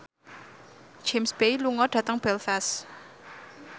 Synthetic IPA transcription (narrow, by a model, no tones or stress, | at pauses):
d͡ʒ̥emsb̥ejluŋɔɖ̥ä̤t̪əŋb̥ɛlfɛs